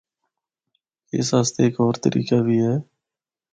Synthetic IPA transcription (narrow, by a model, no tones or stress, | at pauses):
ḛːsaːst̪eɪːkɔːɾt̪ə̰ɾʔḭːkaːbʱiːɦɛː